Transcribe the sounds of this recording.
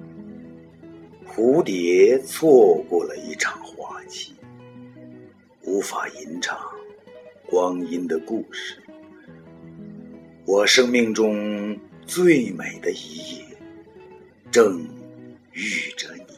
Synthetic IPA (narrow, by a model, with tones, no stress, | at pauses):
xu˧˥t̪jɛ˧˥t͡sʰwɔ˥˧kwɔ˥˩lə̰˩i˥˩ʈ͡ʂʰɑ˨˩ŋxwa˥˩t͡ɕʰi˥˩ | u˧˥fa˨˩i˧˥nʈ͡ʂʰɑ˨˥ŋkwɑ˥ŋi˥nd̪ə˨ku˥˧ʂɻ̩˥˩ | wɔ˨˩ʂɤ˥ŋmi˥˧ŋʈ͡ʂʊ˥ŋt͡swe˥˩ɪme˨˩ɪd̪ə˦i˧˥jɛ˥˩ | ʈ͡ʂɤ˥˧ŋ | y˥˩ʈ͡ʂə˧˩ni˨˩˦